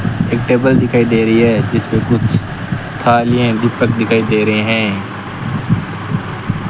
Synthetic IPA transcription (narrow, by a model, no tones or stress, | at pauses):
eːk̚ʈeːbəld̪ɪkʰaːid̪eːɾəiɦɛːd͡ʒɪspekʊt͡ʃʰ | t̪ʰaːlɪjẽːd̪ɪpːək̚d̪ɪkʰaːid̪eːɾəɦẽːɦɛ̃ː